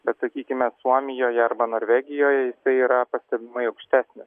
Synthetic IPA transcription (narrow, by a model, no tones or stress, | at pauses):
b̥ʲɛt̪sɐkʲiːkʲɪmʲɛsuɔmʲɪjoːjɛɐɾbɐnoːɾʲʋʲæːɡʲɪjoːjɛjɪsɐɪiːɾɐpɐsʲt̪ʲɛbʲɪmɐɪɐʊkʃʲt̪ʲæːsʲnʲɪs